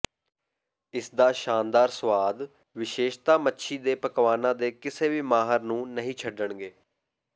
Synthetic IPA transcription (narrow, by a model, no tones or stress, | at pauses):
ɪsd̪aːʃaːnd̪aːɾsʋaːd̪ | ʋɪʃeːʃt̪aːmətːʃʰiːd̪eːpəkʋaːnãːd̪eːkɪseːʋiːmaːɦəɾnũːnəɦĩːt͡ʃʰəɖːəɳɡeː